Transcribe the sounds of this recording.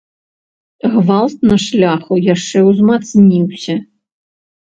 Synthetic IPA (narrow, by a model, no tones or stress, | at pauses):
ɣvalˠt̪̚nɐʂlʲaxujaʂt͡ʂɛwzmat̪snʲiwsʲɐ